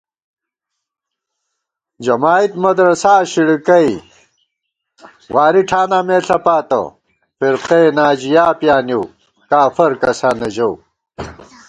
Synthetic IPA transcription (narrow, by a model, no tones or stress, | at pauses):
d͡ʑɐmaːit̪mɐd̪ɾɐsaːɕiɽikɐj | waːɾiʈʰaːnameːɬɐpaːt̪ɐ̰ | fiɾqenaːd͡ʑijaːpjaːniw | kaːfɐɾkɐsaːnɐd͡ʑɐw